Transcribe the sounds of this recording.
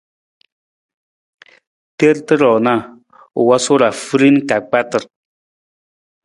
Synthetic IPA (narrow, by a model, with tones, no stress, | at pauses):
te˦ɾtə˦ɾɔ˨na˦˨ | ṵ˨wa˦so˦ɾa˨fɨ˦ɾi˦n˦ka˨k͡pa˦tə˨ɾ